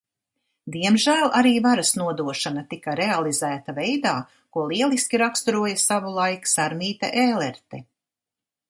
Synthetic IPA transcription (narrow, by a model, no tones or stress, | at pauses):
d̪iɛmʒæːlˠʔaɾiːvaɾasnuɔd̪uɔʃanat̪ikaɾealˠizæːt̪avejd̪aː | kuɔlˠiɛlˠiskʲiɾakst̪uɾuɔjɐsavulˠajksaɾmiːt̪a̰ʔeːlɛɾt̪ɛ